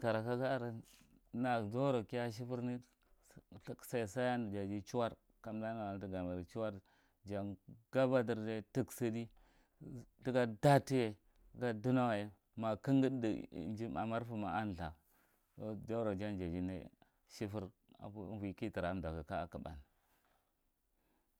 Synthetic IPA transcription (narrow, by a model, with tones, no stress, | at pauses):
ka˨ɾa˨ka˦ɡa˦ɾa˨ | na˨zo˦ɾo˨ki˦ja˦ʃ̬i˦fu˦ɾni˦ | ɬksa˨i˨sa˦ja˦n˨d͡ʒa˨d͡ʒi˦t͡ʃu˦wa˦ɾ | ka˨mda˦na˨wa˨n˨˦di˦ɡa˨ma˨ɾi˨t͡ʃu˦wa˦ɾ | d͡ʒa˨nɡ̥a˦ba˦di˨ɾda˦ti˦ksə˦di˦ | di˦ɡa˦da˦ti˦je˨˦ | ɡa˦du˦na˦wa˨je˨ | ma˨ki˦ŋɡi˦dḭ˨˦d͡ʒi˦ma̰˨ma˦ɾfu˦ma˨a˦n˨ɬa̰˨ | o˦d͡ʒo˦ɾo˨d͡ʒa˦nd͡ʒa˨d͡ʒi˦nḛ˦ | ʃi˦fu˦ɾ | a̰˨u˦vʷi˨ki˦ti˨ɾa˨˦m˨da˨ɡa˨ka˦a̰˨ka˨ba̰˨n˨